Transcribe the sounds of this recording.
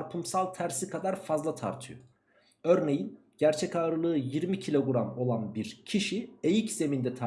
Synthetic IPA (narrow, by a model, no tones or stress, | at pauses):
ɾpʰɯmsalˠt̪ʰæɾsikʰad̪aɾfazlˠat̪ʰa̰ɾt̪ʰɯjo | ø̞ɾne̞jin | ɟ̥æɾt͡ʃʰɛcaːɾɯlˠɯːjiɾmicʰilʲo̞ɡuɾamo̞lˠanbiɾcʰiʃie̞jicz̥e̞mind̪ɛt̪ʰa